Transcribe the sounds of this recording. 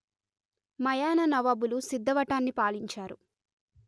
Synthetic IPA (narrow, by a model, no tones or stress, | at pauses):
mɐjaːnɐnɐʋaːbulusid̪ʱːɐʋɐʈaːnːipaːliɲt͡ʃaːɾu